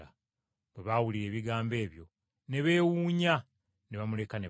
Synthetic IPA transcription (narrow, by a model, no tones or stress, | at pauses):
a | βeβawuliɾe̞ːβiɡaːmbe̞ːβjo̞̰ | ne̞βe̞ːwuːɲa | neβamule̞kane